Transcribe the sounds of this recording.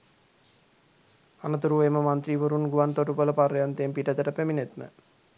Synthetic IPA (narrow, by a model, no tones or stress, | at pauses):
anət̪uɾuʋeməmant̪ɾiːʋoɾunɡuʋant̪oʈupələpaɾjant̪ejempiʈət̪əʈəpeminet̪mə̰